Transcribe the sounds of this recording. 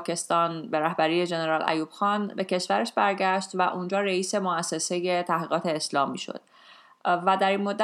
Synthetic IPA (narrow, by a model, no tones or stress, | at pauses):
kʰe̞st̪ɒːnbe̞ɾæhbæɾiːe̞d͡ʒe̞ne̞ɾɒːlʔæ̰juːb̥xɒːnbe̞cʰe̞ʃv̥æɾeʃbæɾɟæʃt̪væʔund͡ʒɒːɾeiːse̞moæsːe̞se̞je̞t̪ʰæhɡiːɣɒːt̪ʰe̞ːslɒːmiːʃo̰d̪̥ | væd̪æɾinmod̪ːæ